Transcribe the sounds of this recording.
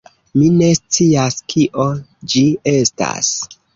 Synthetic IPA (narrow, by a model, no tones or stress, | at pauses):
mine̞st͡siaskʰiʔod͡ʒie̞sta̰s